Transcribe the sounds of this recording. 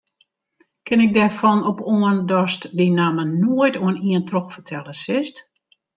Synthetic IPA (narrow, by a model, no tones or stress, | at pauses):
kɪnɪk̚dɛrfɔnɔpoəndɔstdinamənoəjtoəniəntrɔxfərtʰɛlˠəsɪst